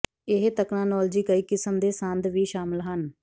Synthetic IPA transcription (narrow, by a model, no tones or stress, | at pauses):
ɪɦt̪əknãːnɔːld͡ʒiːkəiːkɪsəmd̪eːsə̃nd̪ʋiːʃaːməlɦən